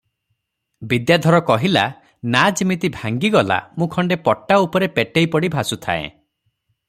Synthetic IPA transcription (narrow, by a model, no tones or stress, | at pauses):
bid̪jad̪ʱɔɾɔkɔɦila | nad͡ʒmit̪ibʱaŋɡiɡɔla̰mũkʰɔɳɖepɔʈːaupɔɾepeʈejpɔɽibʱasut̪ʰa̰ḛ̃